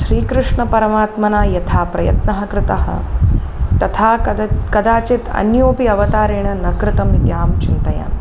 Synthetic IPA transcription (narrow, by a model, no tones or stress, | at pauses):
ʃɾiːkɾɨʂɳɐpɐɾɐmaːt̪mɐnaːjɐt̪ʰaːpɾɐjɐ̰t̪nɐɦɐ̆kɾɪt̪ɐɦɐ̰ | t̪ɐt̪ʰaːkɐd̪aːt͡ʃit̪ɐ̰njoːpiɐʋɐt̪aːɾeːɳɐnɐkɾɪt̪ɐmit̪jaːmt͡ʃint̪ɐja̰ː